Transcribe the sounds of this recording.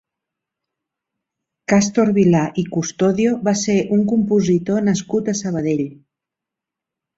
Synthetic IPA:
kast̪oɾβilaʔikust̪oðioβaseʔuŋkumpuzit̪onəskut̪əsəβ̞əðeʎ

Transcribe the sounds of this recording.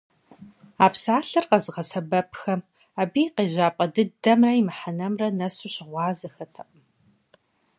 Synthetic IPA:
aːpsaːɬɨrqɐzɨʁɐsɐbɐpʰxɐm | aːbijqeːʑaːpʼɐdɨdɐmrɐjimɨħanɐmrɐnɐsuɕɪʁʷɑːzɐxɐtʰɐʔəm

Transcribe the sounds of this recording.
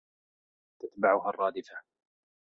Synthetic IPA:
t̪at̪baʕʊɦarˤːɑːd̪ɪfa

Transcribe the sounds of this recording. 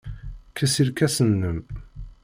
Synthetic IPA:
kæsiɾkæsənːəm

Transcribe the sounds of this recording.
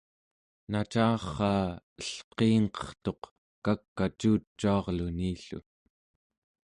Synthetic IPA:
nat͡ʃɑːχːɑː | əɬqeːŋqʌ̥χt̪o̞q | kakːat͡ʃuːt͡ʃːuɑʁluniːɬṵ

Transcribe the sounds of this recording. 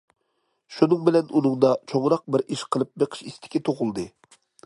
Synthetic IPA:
ʃunɨŋbɪlɛnunɨŋd̪ɑt͡ʃʰoŋɾɑq̚bɪɾʔiʃqʰəlˠɨp̚beqʰə̥ʃist̪ʰɪ̥kʲit̪ʰoʁʊlˠd̪ɨ

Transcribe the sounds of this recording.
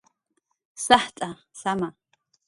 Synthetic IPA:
saħt͡sʼa | sama

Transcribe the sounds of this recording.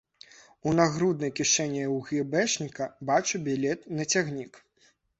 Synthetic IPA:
unaɣɾud̪nɐjkʲiʂɛnʲːiwɣʲibɛʂnʲikɐbat͡ʂubʲilʲɛt̪nɐt͡sʲaɣnʲik

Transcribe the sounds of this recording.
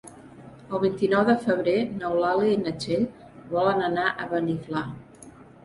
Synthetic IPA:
əlˠβ̞int̪inɔwðəfəβ̞ɾenəwlaliːnət͡ʃeʎ | βɔlənənaʔəβənifla

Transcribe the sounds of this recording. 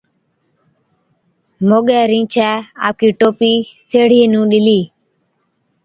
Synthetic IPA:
moːɠɛːɾĩːt͡ʃʰɛːa̰ːp̚kiːʈoːpiːseːɽ̤ieːnũːɗɪliː

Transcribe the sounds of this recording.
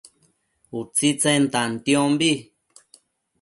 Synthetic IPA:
ut͡sit͡sẽnt̪ant̪j̃õmbi

